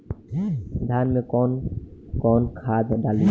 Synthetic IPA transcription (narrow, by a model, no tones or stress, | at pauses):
d̪ʱjanmekɔnkɔnkʰad̪ʱɖali